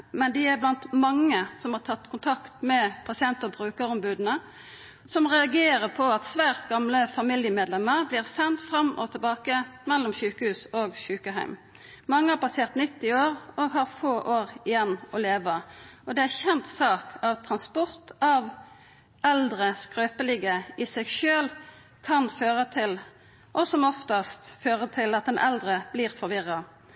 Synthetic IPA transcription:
mɛnd̪ɪæɾblɑnt̪mɑŋːəsɔmhɑʁʈ̪ʰɑt̪ːkʰʊnt̪ʰɑkt̪mɛpʰɑsɪɛnt̪əɔbʁʉːkəɾɔmbʉːd̪ənə | sɔmʁɛɑɡeːɾəpʰɔɑt̪sʋæːʁt̪ɡɑmləfɑmɪljəmeːd̪lɛmːəʁbliːʁsɛnt̪fɾɑmʔɔ̰t̪ʰɪlbɑːkəmɛlːɔmçʉːkəhʉːsɔɡʃʉːkəɦæ̰ɪm | mɑŋːəæɾpʰɑseːʁt̪nɪt̪ːɪoːɾɔɡɦɑʁfoːʔoːʁɪjɛnːɔleːʋəʔɔd̪ɛæçɛnt̪sɑːkʰɑʋt̪ʰʁɑnspɔʁt̪ɑʋ | ʔɛld̪ʁəskʁøːpəlɪɡəɪsɛɡʃøːl | kʰɑnføːʁət̪ʰɪl | ʔɔsɔmɔft̪ɑst̪føːʁət̪ʰɪlɑt̪̚d̪ɛnʔɛld̪ʁəb̥liːʁfɔɾʋɪʁːɑ

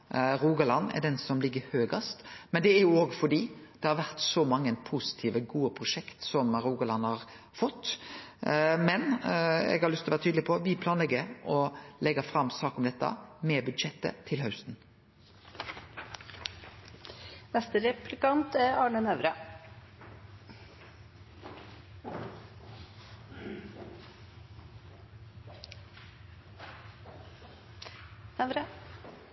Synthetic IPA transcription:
ɾuːɡɑlɑnːɛ̰ɖ̪ɛnsɔmlɪɡːəhøːɡɑst̪mɛnd̪ɛæɾjʊoːɡfɔɖiːd̪̥ɛhɑɾʋæʁt̪sɔmɑŋːəpʰusɪ̥t̪ʰiːʋəɡuːəpʰɾʊʂɛkt̪sɔmɾuːɡɑlɑnːhɑɾ | fɔt̪ː | mɛnɛ̰ɡhɑɾlʏslɔʋæːɾt̪ʰyːd̪lɪpʰɔʋɪpʰlɑːnlɛɡːəɾɔlɛɡːəfɾɑmsɑːkɔmd̪ɛt̪ːɑ̰mɛbʉd̪ʃɛt̪ːə̰t̪ʰɪlɦɑʉst̪n̩ | nɛst̪əɾɛplɪkɑnt̪æɾɑːɳənœʋɾɑ | ʋɾə

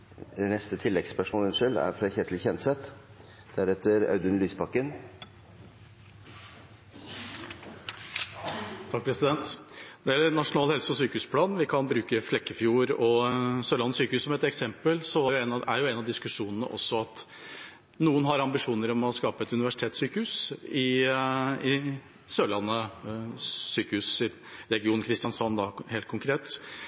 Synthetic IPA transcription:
ɛnɛst̪ət̪ʰɪlːɛɡspœʂmoːlɛnʂœlæ̰ɾfɾɑçɛt̪ʰlçɛnsɛt̪ | d̪̥æɾɛt̪ːəɾɑ̰ʉd̪ʉnlyːsbɑkːən | t̪ʰɑk̚pʰɾɛsɪd̪ɛnt̪nɔɾɛjɛlːəɾnɑʂʊnɑːlhɛlsə̥pɔsyːkəhʉːspʰlɑːnʋɪkʰɑnbɾʉːkəflɛkːəfjuːɾɔsøːlɑnːəsyːkəhʉːsɔmɛt̪ɛksɛmpəlsɔæɾjɛnæɾjʊɛnɑʋd̪ɪskʉʂuːnənə̰ʔɔ̰sːɔɑt̪ | nuːənɦɑɾɑmbɪʂuːnəɾɔmɔskɑːpəɛt̪ʉnɪʋæʂɪt̪ʰeːt̪syːkəhʉːsɪ | ɪ | søːlɑnːə | syːkəhʉːsɪ | ɾɛɡɪuːnkʰɾɪst̪jɑnsɑnd̪ɑheːlt̪kʰʊŋkʰɾeːt̪

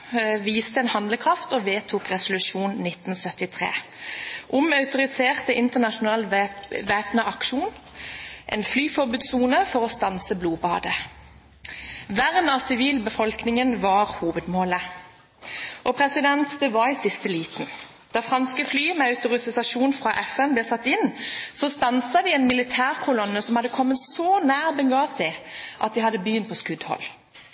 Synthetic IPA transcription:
ʋiːst̪əɛːnhɑnd̪ləkʰʁɑft̪oːʋeːt̪ʰuːkʁɛsʊlʉʃuːnnɪt̪n̩sœt̪ɪt̪ʰʁḛːʔʊmœʉt̪ʊʁɪseːʁt̪əʔɪnt̪əʁnɑʃʊnɑːlʋeːpnəʔɑkʃuːn | ʔɛ̰ːnflyːfɔʁbʉːd̪suːnəfɔʁɔst̪ɑnsəbluːbɑːd̪ə | ʋæʁnɑːsɪʋiːlbəfɔlknɪŋənʋɑːʁhuːʋəd̪moːlə | ʔɔpʰʁɛsɪd̪ɛnt̪d̪ɛʋɑɪsɪst̪əliːt̪n̩ | d̪̥ɑːfʁɑnskəflyːmɛœʉt̪ʊʁɪsɪsɑʃuːnfʁɑʔɛfɛnblɛːsɑt̪ːɪnsɔst̪ɑnsɑd̪ɪɛːnmɪlɪt̪ʰæːʁkʰʊlɔnːəsɔmhɑd̪ːəkʰɔmːət̪soːnæːʁbɛŋɡɑːsɪʔɑ̰t̪̚d̪ɪhɑd̪ːəbjʏnt̪̚pʰɔːskʉd̪hɔ̰l

